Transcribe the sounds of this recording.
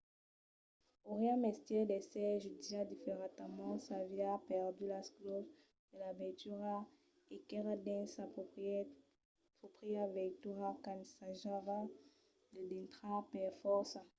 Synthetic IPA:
oʁjãmɛst̪jɛd̪esɛʒyd̪iad̪ifeʁat̪amɑ̃savjapɛʁd̪ylasklɔ | d̪əlavɛt̪yʁa | ekɛʁad̪ɛ̃nsa | pɔpχiavɛt̪uʁakansaʒava | d̪əd̪ɛ̃nt̪χapɛʁfɔʁsa

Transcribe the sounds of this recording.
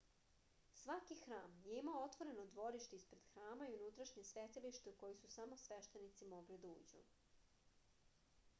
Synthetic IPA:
sʋakixɾaːmjeimaoot̪ʋo̞ɾe̞nod̪ʋo̞ɾiʃt̪eispɾe̞d̪̥xɾaːmaiunut̪ɾaʃɲesʋet̪iliʃt̪euko̞jisusamo̞sʋe̞ʃt̪e̞nit̪simo̞ɡlid̪aṵːd͡ʑṵ

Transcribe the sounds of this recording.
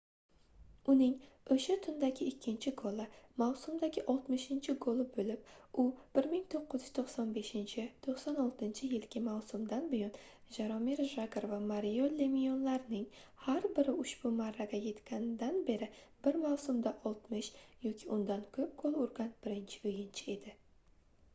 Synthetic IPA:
ʊnɪŋɵʃat̪ʰʊnd̪aɡʲɪɪkʲːɪnt͡ʃʰɪɡʰolˠɪmawsʊmd̪aɡʲɪʔɒlˠt̪mɪʃɪnt͡ʃʰɪɡolˠɪbɵlɪp̚ʊb̥ɪɾmɪŋt̪ʰoqːɨzjyz̥t̪ʰoχsɒnbe̞ʃɪnt͡ʃʰɪt̪ʰoχsɒnɒlˠt̪ɪnt͡ʃʰɪjɪlɡʲɪmawsʊmd̪anbʊjɒn | ʒaɾɒmiɾʒaɡɾvamaɾijolːemijonlaɾɪnɪŋhaɾbɪɾɪʊʃb̥ʊmaɾːaɡʲaje̞t̪kʲʰanɪd̪anbe̞ɾɪb̥ɪɾmawsʊmd̪aʔɒlˠt̪mɪʃjɒkʲʰɪʔʊnd̪ankʲʰɵp̚ɡolˠʊɾɡʲanb̥ɪɾɪnt͡ʃʰɪ̥ʊjɪnt͡ʃʰɪe̞d̪ɪ

